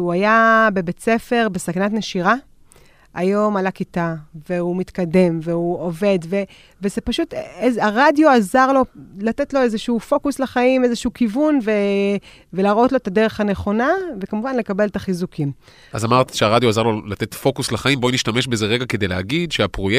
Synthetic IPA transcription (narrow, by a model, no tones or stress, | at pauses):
uajabe̞bet͡se̞fe̞ʁbe̞sakanatneʃiʁa | ajo̞malakitaveumit̪kade̞mveuove̞dve̞ | vezepaʃutezaʁadjo̞azaʁlo̞late̞tlo̞ezeʃuːfo̞kuslaχaimezeʃuukivunve̞ | ve̞laʁo̞tloet̪adeʁeχhane̞χo̞navekamuvanle̞kabe̞ltaχizukʰim | ʔazamaʁt̪ʃeaʁad̪joazaʁlolat̪etfo̞kuslaχaimboniʃtame̞ʃbezeʁeɡaked̪ejleaɡid̪ʃeapʁoje